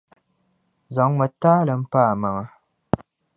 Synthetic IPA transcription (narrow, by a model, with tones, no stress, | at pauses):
za˨ŋmɛ˨taː˦lɨ˨m̩˦paː˦˨ma˨ŋa˦